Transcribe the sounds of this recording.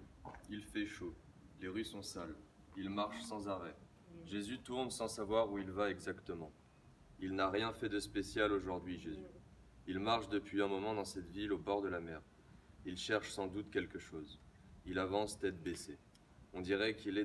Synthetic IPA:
ilfɛʃo | leʁysɔ̃sal | ilmaʁʃsɑ̃zaʁɛ | ʒezyt̪uʁnsɑ̃savwaʁuilvaɛɡzakt̪əmɑ̃ | ilnaʁjɛ̃fɛd̪əspesjaloʒuʁd̪ɥiʒezy | ilmaʁʃd̪əpɥiɛ̃mɔmɑ̃d̪ɑ̃sɛt̪vilobɔʁd̪əlamɛːʁ | ilʃɛʁʃsɑ̃d̪ut̪kʲɛlkəʃoːz | ilavɑ̃sd̪ɛt̪bese | ɔ̃d̪iʁɛkilɛ

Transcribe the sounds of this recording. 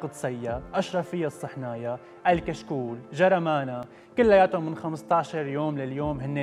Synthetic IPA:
qd̪sˤɑjːaʔaʃɾˤɑfɪjːasˤːɨħnaːja | ʔalkaʃkuːlʒɑɾˤɑmaːna | kʊlːajaːt̪ʊmɪnxamst̪ɑʕʃɑɾˤjoːmlaljoːmhɪnːe

